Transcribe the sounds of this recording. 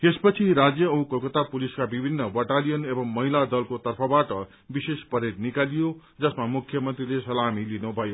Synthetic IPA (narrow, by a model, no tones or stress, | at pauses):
espʌt͡sʰiɾad͡zjʌːũkokʌt̪apuliskabibʱinːʌbʌʈalijʌnebʌmːʌɦilad̪ʌlkot̪ʌrpʰʌbaʈʌ | bisespʌɾeʈnikalijo | d͡zʌsmamukʰjʌmʌnt̪rilesʌlamilinubʱʌjo